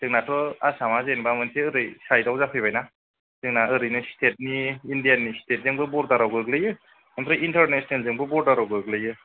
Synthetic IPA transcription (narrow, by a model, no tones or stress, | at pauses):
tɯŋnatʰɔasamazenbamɯnsʰeɯɾɯjsajdawzapʰɯbajna | tɯŋnaɯɾɯjnɯstʰet̚niːndijanistʰet̚zɯŋbɯbɔɾdaɾawɡɯɯklɯjɯ | amtʰɔʔintaɾnesɔnelzɯŋbɯbɔɾdaɾawɡɯɡlɯjɯ